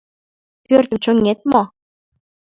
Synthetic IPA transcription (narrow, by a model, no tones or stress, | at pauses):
pørt̪ə̆mt͡ɕoŋet̪̚mɑ